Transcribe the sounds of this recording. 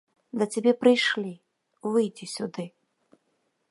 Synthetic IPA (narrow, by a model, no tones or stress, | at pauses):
d̪ɐt͡sʲabʲɛpɾɨjʂlʲi | vɨjd͡zʲisʲud̪ɨ